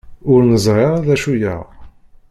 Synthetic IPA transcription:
ʊɾnəzˤʁeʁæðæʃujə̰ʁ

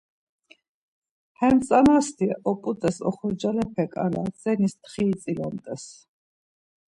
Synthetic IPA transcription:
hɛmt̪sʼanast̪ʰiʔɔpʼut̪ʼɛsɔχɔd͡ʒalɛpʰɛkʼa̰la̰sʼɛnist̪χiːt̪sʼilɔmt̪ʼɛs

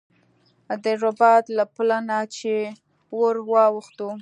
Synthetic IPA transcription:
d̪əɾʊbɑt̪laplanat͡ʃe | woɾwɑwxt̪u

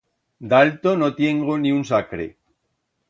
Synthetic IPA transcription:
d̪alt̪onot̪jeŋɡonĩunsakɾḛ

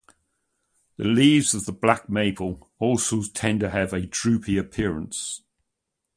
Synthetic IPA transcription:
ðəliːvz̥əvðəblak̚meɪpʰəlˠ | ɔˑlˠsoʊztʰɛ̃ntəəvədɹʉˑpʰiəpʰɪəɹə̃ns

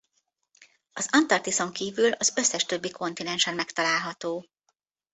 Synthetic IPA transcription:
ɒzɒnt̪ɒrt̪iso̞ŋkiːvylɒzø̞sːɛʃt̪ø̞bːikʰo̞nt̪inɛnʃɛnmɛkt̪ɒlaːlɦɒt̪oː

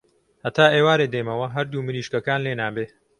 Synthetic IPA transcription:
hɐt̪ʰaːʔeːwaːɾed̪ejmɐwɐɦɐɾd̪uːmɨɾiːʃkɐkaːnleːnaːbeː

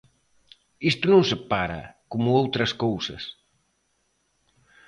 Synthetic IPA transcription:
ist̪unõŋsəpaɾɐ̰kumuowt̪ɾɐskowsɐs

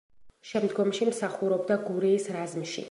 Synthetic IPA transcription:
ʃɛmd̪ɡɔmʃimsaχuɾɔbd̪aɡuɾiːsɾazmʃḭ

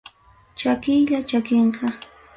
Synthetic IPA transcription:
t͡ʃakɪjʎat͡ʃakɪɴqɑ

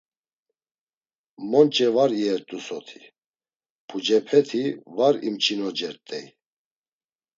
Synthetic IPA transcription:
mɔnt͡ʃʼɛvaɾiɛɾt̪ʼusɔt̪ʰi̥ | pʰud͡ʒɛpʰɛt̪ʰivaɾḭmt͡ʃʰinɔd͡ʒɛɾt̪ʼɛj

